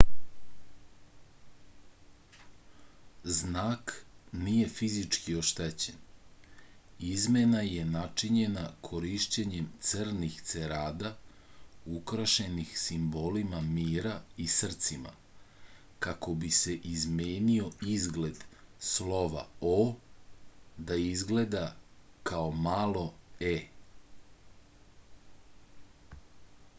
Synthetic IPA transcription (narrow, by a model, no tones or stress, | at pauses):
znaːknije̞fizit͡ʂkio̞ʃt̪et͡ɕen | izme̞naje̞nat͡ʂiɲe̞nakʰo̞ɾiʃt͡ɕeɲe̞mt̪srnixt̪se̞ɾaːd̪a | ukɾaʃe̞nixsimbo̞limamiːɾaisr̩t̪sima̰ | kako̞bise̞ʔizmeːnio̞izɡle̞d̪slo̞ʋa̰o | d̪aizɡle̞d̪akaomaːlˠo̞e